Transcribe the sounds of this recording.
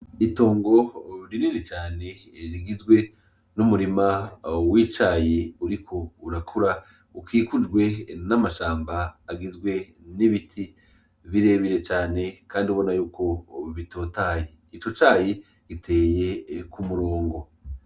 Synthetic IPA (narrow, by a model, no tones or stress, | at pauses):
ito̞ːŋɡo̞ɾiniɾet͡ʃaːne̞ | ɾiɡizɡwe̞ | numuɾimawit͡ʃaːjiuɾikʰo̞uɾakʰuɾa | ukʰiːkud͡ʒɡwe̞namaʃaːmbaːɡizɡwe̞ | niβitʰi | βiɾe̞βiɾe̞t͡ʃaːne̞kʰaːndiuβo̞najuːko̞βitʰo̞ːtaːje | it͡ʃo̞t͡ʃaːji | ɡ̥itʰe̞ːje̞kumuɾoːŋɡo̞